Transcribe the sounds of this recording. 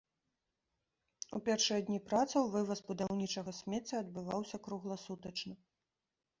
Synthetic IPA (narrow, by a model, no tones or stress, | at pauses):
ṵpʲɛrʂɨjɐd̪ʲnʲipɾat̪sɐwvɨvɐsbud̪awnʲit͡ʂɐɣɐsʲmʲɛt͡sʲːɐɐd̪̚bɨvawsʲɐkɾuɣlˠɐsut̪ɐt͡ʂnɨ